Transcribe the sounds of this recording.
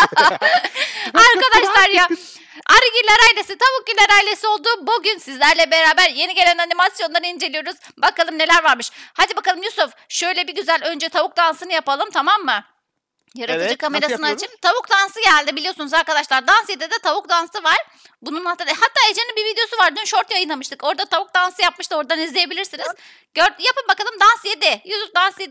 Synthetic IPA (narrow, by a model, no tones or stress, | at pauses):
aɾkad̪aʃlˠaɾja | aɾɯɟilʲaɾajlʲesit̪ʰaβuk̚ɟilʲaɾajlʲe̞sio̞lˠd̪uːbuɟynsizlʲæɾlʲɛbe̞ɾaːbæɾje̞niɟe̞lʲænanimasjo̞nˠaɾɯind͡ʒe̞lʲijo̞ɾuz̥bakalˠɯmne̞lʲæɾvaɾmɯʃhad̪ibakʰalˠɯmjusof | ʃø̞jlʲɛbiɟyzælʲø̞nd͡ʒɛt̪ʰaβuk̚d̪ansɯnɯjapalˠɯmt̪ʰamamːɯ | jaɾaɯd͡ʒɯkʰame̞ɾasɯnat͡ʃʰit̪ʰaβuk̚d̪ansɯɟælʲd̪ibilʲijo̞sunuzaɾkad̪aʃlˠaɾd̪ansjed̪ɛd̪ɛt̪ʰaβukd̪ansɯvaɾ̥ | bununat̪ːhat̪ʰːaːed͡ʒeninbivid̪ejo̞suvaɾd̪ynʃo̞ɾt̪jajɯnˠamɯʃt̪ʰɯko̞ɾd̪at̪ʰaβuk̚d̪ansɯjapmɯʃt̪o̞ɾd̪anizlʲeje̞bilʲiɾsiniz | ɟøɾjapɯmbakalˠɯmd̪ansjed̪ɛjusufd̪ansjed̪